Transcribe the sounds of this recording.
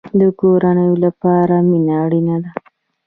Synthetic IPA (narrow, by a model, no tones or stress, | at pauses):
d̪əkoɾanəjolapɑɾaminaːɽinad̪a